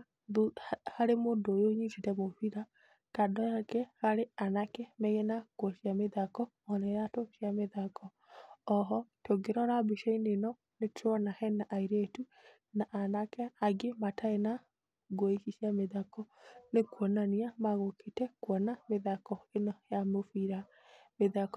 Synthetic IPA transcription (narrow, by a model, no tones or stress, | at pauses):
ðuhaɾemondoːjoɲititɛmoβiɾa | kadɔakɛhaɾeanakɛmɛɣɛnakwɔʃjameðakɔ | ɔnɛɾatoʃjameðakʰɔː | ɦɔtoɡeɾɔɾabiʃainenɔ | netʰɔnahɛnaʔaiɾetu | naʔanakɛaɡematʰaena | ɡwɔiʃiʃiameðakɔnekwɔnaniamaɣokʰetɛkwɔnameðakɔenɔjamofiɾa | meðakɔ